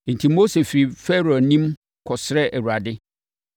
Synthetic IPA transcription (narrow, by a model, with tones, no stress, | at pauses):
n̩˨tʰĩ˨mo˦se˨fi˨ɾi˨fɛ˦ɾo˨nĩ˦m | kʰɔ˨sɪ˦ɾɛ˦ʔæ˨wu˨ɾa˨dɪ˦